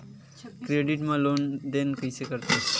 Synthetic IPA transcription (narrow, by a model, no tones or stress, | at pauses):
kɾeɖiʈmãlond̪enkəjsekəɾt̪e